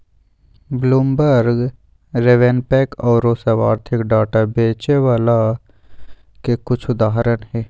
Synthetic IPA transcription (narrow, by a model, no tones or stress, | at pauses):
bluːmbəɾɡ | ɾeʋenpɛːkɔːɾosəʋaːɾt̪ʰɪkɖaːʈabeːt͡ʃeʋaːla | kekʊt͡ʃʰʊd̪aːɦɾənɦɛː